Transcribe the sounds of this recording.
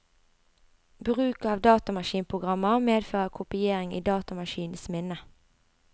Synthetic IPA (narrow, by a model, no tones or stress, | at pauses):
bʁʉːkɑːʋd̪ɑːt̪ɑmɑʃiːnpʰʁʊɡʁɑməʁmeːd̪føːʁəkʰʊpɪeːʁɪŋḭːd̪ɑːt̪ɑmɑʃiːn̩smɪnə